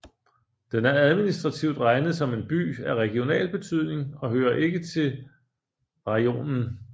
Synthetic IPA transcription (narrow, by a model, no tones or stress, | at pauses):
d̥enæɐæð̞ˠminisd̥ʁɑ̈t͡sʰiʊd̥ʁɑ̈ɪnð̩ˠsɒ̽me̝nb̥y̰ːæɐʁɛɡ̥io̝nɛ̰ːlb̥e̝t͡sʰyð̞̰ˠne̝ŋɒ̽ɦøːɐʔe̝ɡ̥ət͡sʰe̝ | ʁɑo̝̰ːnn̩